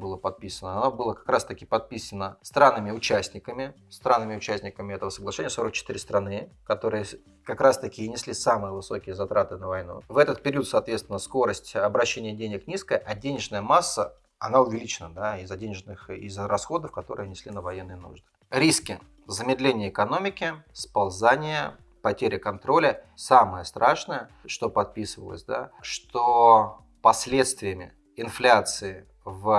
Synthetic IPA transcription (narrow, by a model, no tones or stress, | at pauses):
bɨlˠəpɐt̪̚pʲisənəɐnobɨlˠəkɐ̥kɾast̪əkʲɪpɐt̪̚pʲisənːəst̪ɾanːɨmʲɪʊt͡ɕæsʲnʲɪkəmʲɪ | st̪ɾanːɨmʲɪʊt͡ɕæsʲnʲɪkəmʲɪɛt̪əvəsəɡlˠɐʂɛnʲɪjəso̞ɾək̚t͡ɕɪ̥t̪iɾʲɪst̪ɾɐnɨ | kɐt̪o̞ɾɨjə | kɐkɾast̪əkʲɪnʲɪsʲlʲisamɨjəvɨso̞kʲɪjəzɐt̪ɾat̪ɨnəvɐjnṵvɛt̪ət̪̚pʲɪɾʲiut̪sɐːt̪vʲet̪st̪vʲɪnəsko̞ɾəsʲtʲɐbɾɐɕːenʲɪjədʲenʲɪknʲiskəjəʔɐdʲenʲɪʐnəjəmasːə | ɐ̰naʊvʲɪlʲit͡ɕɪnə̰d̪aɪzːɐdʲenʲɪʐnɨxɪ̰zrɐsxo̞d̪əfkɐt̪o̞ɾɨjənʲɪsʲlʲinəvɐjenːɨjənṵʐd̪ɨ | ɾʲiskʲɪ | zəmʲɪd̪lʲenʲɪjəɪkɐno̞mʲɪkʲɪspɐlˠzanʲɪjə | pɐtʲeɾʲəkɐnt̪ɾo̞lʲəsaməjəst̪ɾaʂnəjə | ʂt̪o̞pɐt̪̚pʲisəvə̰lˠə̰sʲd̪a̰ʂt̪o | pɐsʲlʲe̞t̪st̪vʲɪjəmʲɪ̰ | ɪnflʲat̪sɨɪ | v